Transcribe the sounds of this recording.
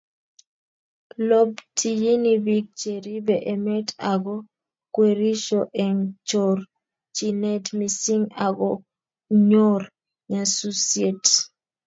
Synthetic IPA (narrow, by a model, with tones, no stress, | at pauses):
lo˦btʰi˨ji˦ni˦bi˦k̚t͡ʃe˨ɾi˦bɛ˨ʔe˨mɛ˦tʰaɡɔ˦ | kwe˨ɾi˦ʃɔʔɛ˨ŋt͡ʃɔ˨r | t͡ʃi˨nɛ˦tmi˨si˦ŋa˨ɡɔ˦ | ɲo˦r | ɲa˨su˦sie˨t